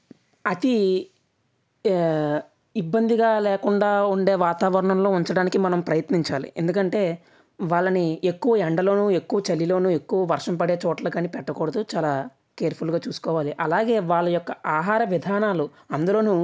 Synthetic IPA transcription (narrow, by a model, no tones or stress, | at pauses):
ɐt̪i | ibːɐnd̪iɡaːlɛːkuɳɖaːuɳɖe̞ːʋaːt̪aːʋɐɾɐɳɐmlo̞ːuɲt͡ʃɐɽaːnikimɐnɐmpɾɐjɐt̪niɲt͡ʃaːlḭʔe̞̰nd̪ukɐɳʈe̞ː | ʋaːɭːɐniekːuʋɐɛɳɖɐlo̞ːnuːe̞kːuʋɐt͡ʃɐlːilo̞ːnue̞kːuʋɐʋɐɾʂɐmpɐɽe̞ːt͡ʃɔːʈɐlɐkɐːnːipɛʈːɐkɔːɽɐd̪ut͡ʃaːlaː | keːɐɾpʰulɡaːt͡ʃuːsu̥kɔːʋaːliʔɐlaːɡe̞ːʋaːɭːɐjɔkːɐaːɦaːɾɐʋid̪ʱaːnaːlu | ɐnd̪ulo̞ːnu